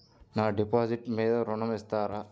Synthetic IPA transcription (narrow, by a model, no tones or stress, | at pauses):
naːɖipaːsiʈmeːd̪ɐɾɔɳɐmest̪aːɾa